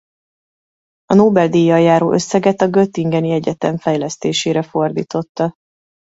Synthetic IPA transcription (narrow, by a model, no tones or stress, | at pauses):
ɒnoːbɛld̪iːjɒjːaːɾoːʔø̞sːɛɡɛt̪ɒɡøt̪ːiŋɡɛniɛɟɛt̪ɛɱfɛjlɛst̪eːʃeːɾɛfo̞rd̪ḭːt̪o̞t̪ːɒ